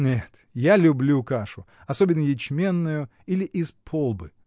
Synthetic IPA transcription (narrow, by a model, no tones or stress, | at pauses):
nʲet̪ | jalʲʊblʲukaʂʊ | ɐsobʲɪnːəjɪt͡ɕmʲe̞nːʊjʊ | ilʲɪʔɪspʰolˠbɨ